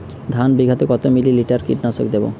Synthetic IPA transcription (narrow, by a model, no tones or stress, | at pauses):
d̪ʱanbiɡʱat̪ekɔt̪omililiʈaɾkḭʈnaso̰kd̪ebo̰